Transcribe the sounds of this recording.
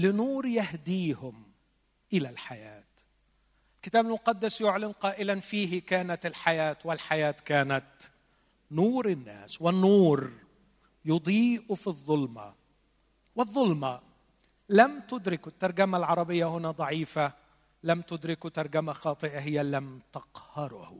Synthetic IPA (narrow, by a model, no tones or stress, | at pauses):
lɪnuːɾjahd̪iːhʊm | ʔɪlalħajaːt̪ | ɪlkɪt̪aːbalmʊqɑd̪ːɪsjʊʕlɪnqɑːʔɪlanfiːɦɪkaːnat̪ɪlħajaːt̪wɪlħajaːt̪kaːnat̪ | nuːɾɪnːa̰ːswɪnːuːɾ | jʊd̪ˤiːʔfiðˤːʊlma̰ | wɪðˤːʊlma | lamt̪ʊd̪ɾɪkʊt̪ːɑɾˤɡamalʕɑɾˤɑbɪjːahʊnad̪ˤɑʕiːfa | lamt̪ʊd̪ɾɪkut̪ɑɾˤɡamaxɑːt̪ˤɨʔaɦɪjalamt̪ɑqhɑɾˤh